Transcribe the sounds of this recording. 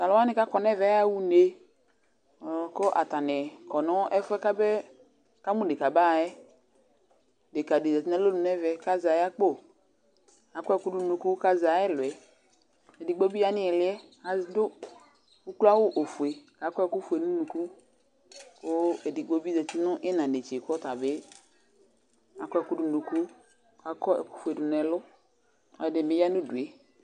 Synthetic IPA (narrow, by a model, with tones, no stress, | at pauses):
ka˨la˦nɪ˦ka˦kɔ˨nɛ˦vɛ˨˦a˦wu˦ne˦˨ | ko˦ʔa˨ta˨nɛ˨kɔ˨nɔ˦ɛ˦fʊ˦ɛ˦ka˦bɛ˦ | ka˦mũ˦˨de˨ka˨ba˦˨ɛ˦ | de˨ka˨di˨zɛ˨ti˦nɛ˦lo˦nu˨nɛ˦vɛ˨ka˦za˨ja˦k͡po˦˨ | a˨kɔ˦ɛ˦˨kʊ˦du˦nu˨ku˦ka˦za˨˦ɛ˦˨lwɛ˨ | e˨di˨ɡ͡bo˦bi˦a˦nɪ˦ɛ˨lɪ˦ɛ˦ | a˨zdʊ˦ | u˦klu˦a˦wʊ˦ʔo˨fu˨e˨ka˨kɔ˦ɛ˦˨ku˦fu˨e˨nũ˦nu˨ku˦ | kʊ˦e˨di˨ɡ͡bo˨˦bi˦zɛ˨tɪ˦nʊ̃˦ʔɪ˦nã˨ne˨t͡ʃe˨kɔ˦ta˨be˦ | a˨kɔ˦ɛ˨kʊ˦dʊ˦nu˨ku˦ | ka˨kɔ˦ɛ̰˨ku̥˦fu˨e˨dʊ˨nɛ˨lʊ˦ | ɔ̰˨ɛ˨dɪ˨mɪ˨˦ja˦nʊ̃˦du˨ɛ˨